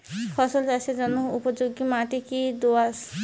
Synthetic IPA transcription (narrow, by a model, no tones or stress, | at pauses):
kʰɔsold͡ʒat͡ɕʰed͡ʒɔnoupod͡ʑoɡimãʈ̪ikid̪oas